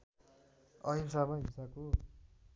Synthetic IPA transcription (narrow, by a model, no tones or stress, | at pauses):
ʌinsamaɦisako